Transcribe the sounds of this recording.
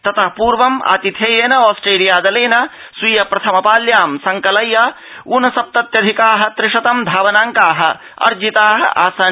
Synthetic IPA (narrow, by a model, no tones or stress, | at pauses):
t̪ɐt̪ɐɦpuːɾʋɐmʔa̰ːt̪it̪ʰjɐjeːnɐɔːsʈɾeːlijaːd̪ɐleːnɐ | sujɐpɾɐt̪ʰɐmɐpaːljaːmsɐŋkɐlɐjɐ | uːnɐsɐp̚t̪ɐt̪jɐd̪ʱikaːɦɐ̆t̪ɾɪʂɐt̪ɐmd̪ʱaːʋɐnaːŋkaːɦɐ̰̆ | ɐ̰ɾd͡ʒit̪aːɦɐ̰ʔa̰ːsaː